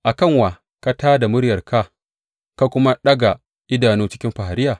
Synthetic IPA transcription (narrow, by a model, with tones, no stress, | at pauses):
ʔa˨kɐ˦˨ŋwa˨ | ka˦taː˦da˨mʊ˦ɽjɐ˨rka˦ | ka˦kʷʊ˦ma˦ɗɐ˦ɡa˨ | ʔɪ˦daː˨nuː˦t͡ʃɪ˦kʲɪ˦mɸa˨a˨ɾɪ˦jaː˨